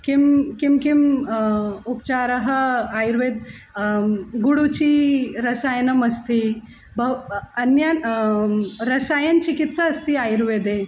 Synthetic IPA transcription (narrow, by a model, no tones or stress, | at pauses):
kimkimkim | upt͡ɕaɾəɦəajɾʋed̪̚ | ɡuɽut͡ɕiːɾəsajnəməst̪i | bəʋənja | ɾəsajənt͡ɕikit̪saːst̪iːajɾʋed̪e